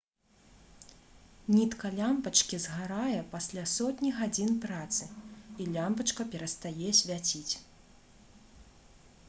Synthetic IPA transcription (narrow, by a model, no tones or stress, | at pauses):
nʲit̪kɐlʲampɐt͡ʂkʲizɣaɾajɛpasʲlʲasɔt̪ʲnʲiɣad͡zʲinpɾat̪sɨilʲampɐt͡ʂkɐpʲɛɾɐst̪ajɛsʲvʲat͡sʲit͡sʲ